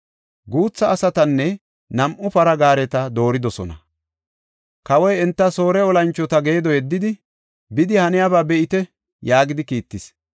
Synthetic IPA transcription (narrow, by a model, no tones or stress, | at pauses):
ɡuːt͡sːɐːsɐt̪ɐnːɛ | nɐmʔʊpɐɾɐɡaːɾɛt̪ɐd̪o̞ːɾɪd̪ɔsɔ̰nɐ̰ | kɐwɔjɛnt̪ːɐsoːɾɛɔlɐnt͡ʃːɔt̪ɐɡe̞ːd̪ɔjɛd̪ːɪd̪ɪ | bɪd̪ɪhɐnɪjabaːbɛʔɪt̪ɛ | jaːɡɪd̪ɪkiːt̪ːɪs